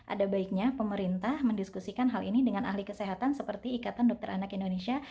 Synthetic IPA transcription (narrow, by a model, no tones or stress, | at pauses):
ʔa̰dabaik̚ɲapəməɾint̪ahməndiskusikanɦalinidəŋanʔa̰ɦlikəseɦat̪ansəpərt̪iːkat̪andɔk̚t̪ərɾanakindonesia